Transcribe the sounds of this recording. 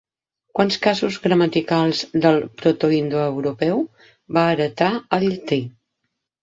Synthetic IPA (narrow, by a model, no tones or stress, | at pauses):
kwanskazuzɣɾəmət̪ikalˠzd̪əlˠpɾot̪uind̪uəwɾupɛw | baːɾət̪aəʎt̪i